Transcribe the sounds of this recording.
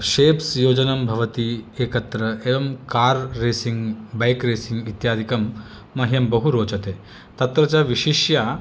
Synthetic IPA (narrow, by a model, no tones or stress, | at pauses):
ʃeːpsjoːd͡ʑɐnɐmbʱɐʋɐt̪ieːkɐt̪ɾɐeːʋɐmkaːɾːeːsiŋɡbɐjkɾeːsiŋɡit̪jaːd̪ʱikɐmː | ɐɦjɐmbɐɦuɾoːt͡ʃɐt̪eː | t̪ɐt̪ɾɐt͡ɕaʋiʂiʃja